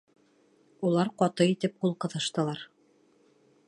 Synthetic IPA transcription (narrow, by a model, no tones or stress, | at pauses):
ulˠɑɾqɒt̪ɤit̪ɘp̚qulˠqɤ̆ðɤ̆ʃt̪ɤ̆lˠɑɾ